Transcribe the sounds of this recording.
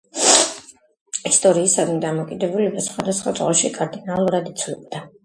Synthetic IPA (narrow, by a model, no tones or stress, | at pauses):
ist̪ʼɔɾiːsad̪mid̪amɔkʼid̪ɛbulɛbasχwad̪asχwat̪sʼʁʼɔʃikʼaɾd̪inalˠuɾad̪it̪sʰvlɛb̚d̪a